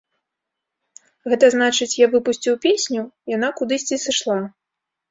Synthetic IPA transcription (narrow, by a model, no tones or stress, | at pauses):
ɣɛt̪ɐznat͡ʂɨt͡sʲjavɨpusʲt͡sʲiwpʲesʲnʲujan̪akud̪ɨsʲt͡sʲisɨʂlˠa